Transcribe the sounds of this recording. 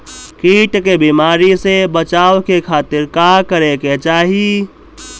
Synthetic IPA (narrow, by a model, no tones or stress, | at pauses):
kiːʈkebimaːɾisebət͡ʃaːʋkekʰaːt̪ɪɾkakəɾeket͡ʃaːɦi